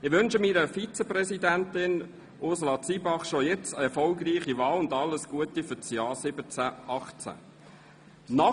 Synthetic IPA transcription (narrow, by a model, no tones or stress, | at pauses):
ɪχʋʏnʃəmiːɾəfit͡səprɛsidæntɪn | ʔʊsɔlɑt͡siːbɑχʃojɛt͡səɛɾfɔlɡriːχiʋɑːlʊndɑlːəsɡ̥uətifʏt͡sjɑːsɪbət͡sæʔɑχt͡sæ̰ | nɑ